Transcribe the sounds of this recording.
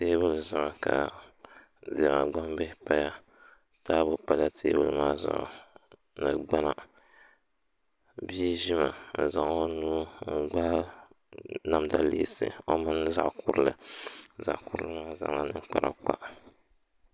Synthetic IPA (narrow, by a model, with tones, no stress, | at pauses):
te˦bʊ˦lɨ˨zʊ˨ʔka˨ | zi˨ma̰˨ɡ͡ba˦mbɨ˦pa˦ja˦ | taː˦bʊ˨pa˦la˦tʰeː˦bṵ˦lmaː˦zʊ̰˨ʔʊ̰˨ | nɨ˨ɡ͡ba˦na˨ | bi˦ʒi˦ma˨n̩˨za˨ŋo˦nu˦ŋ̩˦ɡ͡baː˦ | na˦mda˦lḭ˦sɨ̰˨o˦mɨ˦nza̰˦ʔkʊ˦ɾɨ˦lɨ̰˨za̰˨ʔkʊ˦ɾɨ˦lɨ˦maː˦za̰˨ŋla˦nɨ˦ŋ˦k͡pa˨ɾa̰˨k͡pa̰˦ʔ